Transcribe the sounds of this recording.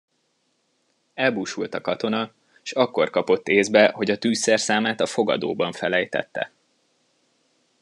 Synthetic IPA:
ɛlbuːʃult̪ɒkɒt̪o̞nɒ | ʃɒkːo̞rkɒpo̞t̪ːeːzbɛho̞ɟɒt̪yːsɛrsaːmaːt̪ɒfo̞ɡɒ̰d̪o̰ːbɒɱfɛlɛjt̪ɛ̰t̪ːɛ̰

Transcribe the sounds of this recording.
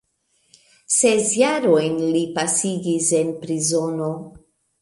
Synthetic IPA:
sesjaɾo̞jnlipasiɡise̞npɾizo̞no̞

